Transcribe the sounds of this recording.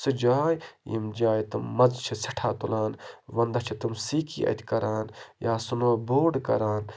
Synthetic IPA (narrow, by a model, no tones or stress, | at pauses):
sɨd͡ʒaːjjḭmd͡ʒaːjt̪ɨmɐzt͡ʃʰisiʈʰaːt̪ulaːnʋɐnd̪ɐt͡ʃʰit̪ɨmsiːkʰḭːʔɐ̰t̪ʰkɐɾaːnjaːsunoːboːɖkɐɾaːn